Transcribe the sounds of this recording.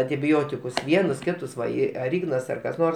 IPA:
ɐnʲtʲɪˈbʲoːtʲɪkʊs ˈʋʲiɛnʊs ˈkʲɪtʊs ˈʋɐ ˈɪ ɐr ˈɪɡnɐs ɐr kɐs ˈnoːrs

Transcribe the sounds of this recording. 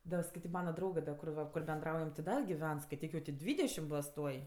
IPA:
ˈdɐ skɐɪˈtʲiːk ˈmɑːnɐ ˈdrɐʊɡɜ dɐ kʊr ˈʋɐ kʊr bʲɛnˈdrɐʊjɛm tʲɪ ˈdɐ ɡʲɪˈʋʲɛn skɐɪˈtʲiːk jɛʊ tʲɪ ˈdʲʋʲiːdʲɛʃʲɪm ˈboːs ˈtuɔj

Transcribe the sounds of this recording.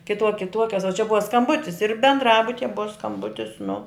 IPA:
kʲɪˈtuɔ kʲɪˈtuɔkʲɛs oː t͡ʃʲɛ ˈbʊʋɐ skɐmˈbʊtʲɪs ɪr bʲɛndˈrɑːbʊtʲɪjɛ ˈbʊʋɐ skɐmˈbʊtʲɪs nʊ

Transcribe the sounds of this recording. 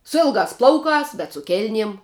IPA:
sʊ ˈɪlˠɡɑːs ˈplˠɐʊkɑːs bʲɛt sʊ ˈkʲeːlʲnʲiɛm

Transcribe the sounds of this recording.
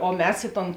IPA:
oː ˈmʲɛs ˈɪ ˌtoːn

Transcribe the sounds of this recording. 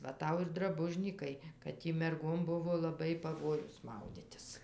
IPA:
ˈʋɐ ˈtɐʊ ɪr drɐˈbʊʒʲnʲiːkɐɪ kɐt ˈtʲiː mʲɛrˈɡoːm ˈbʊʋoː lˠɐˈbɐɪ pɐˈʋoːjʊs ˈmɐʊdʲɪtʲɪs

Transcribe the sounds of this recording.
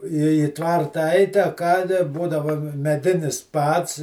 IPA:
iː ɪ ˈtʋɐrtɐ ɐɪtʲ ɐ ˈkɑː dɐ ˈbuːdɐʋɐ mʲɛˈdʲɪnʲɪs ˈpɐts

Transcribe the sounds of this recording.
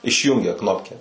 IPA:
ɪʃʲˈjuːŋʲɡʲɛ ˈknoːpʲkʲɛ

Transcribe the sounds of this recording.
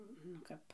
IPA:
nʊ ˈkɐp

